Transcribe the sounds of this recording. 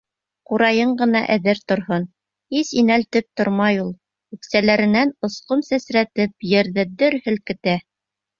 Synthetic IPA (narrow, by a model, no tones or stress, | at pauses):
quɾɑjɤɴɢɤ̆nɑ̰ʔæðɘɾt̪ŏɾhon | hisinælt̪ɘp̚t̪ŏɾmɑjulˠ | ʉksælæɾɘ̆nænŏsqomsæsɾæt̪ɘp̚jɘ̆ɾðɘd̪ɵɾhɘ̆lkɘ̆t̪æ